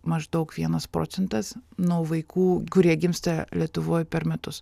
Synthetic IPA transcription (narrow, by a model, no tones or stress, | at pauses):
mɐʒd̪ɐʊkʋʲiɛnɐspɾo̰ːt̪sʲɛnt̪ɐsnuɔːʋɐɪkuːkʊɾʲiɛɡʲɪmst̪ɐlʲiɛt̪ʊʋoːjpʲɛɾmʲɛt̪ʊs